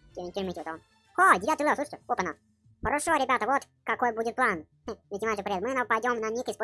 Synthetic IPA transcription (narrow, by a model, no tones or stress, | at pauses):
tʲɪɾʲmʲitʲɪʋɔt̪om | xodʲɪat̪jlˠosˠuʂətʲɪopənas | xəɾɐʂoɾʲɪbʲat̪əvot̪ | kɐkojbudʲɪt̪̚plˠan | nʲɪtʲɪmanʲʂɨpɾʲɪet̪mɨnapɐjdʲomnɐnʲekʲɪspo